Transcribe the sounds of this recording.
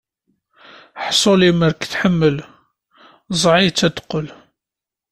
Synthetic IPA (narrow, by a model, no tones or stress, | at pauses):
ħsˤoliməɾkθħəmːəl | zˤʕit͡sːæd̪qːəl